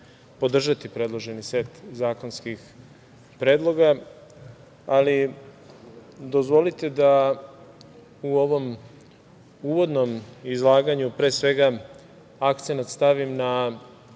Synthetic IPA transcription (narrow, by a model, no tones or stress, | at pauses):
po̞d̪r̩ʒat̪ipɾe̞d̪lˠo̞ʒe̞nise̞t̪zaːko̞nskix | pɾe̞ːd̪lˠo̞ɡa | li | d̪o̞zʋo̞lit̪e̞d̪a | uo̞ʋo̞m | uːʋo̞d̪no̞mizlˠaːɡaɲupɾe̞ːsʋe̞ɡa | akt̪se̞nat̪st̪aʋimna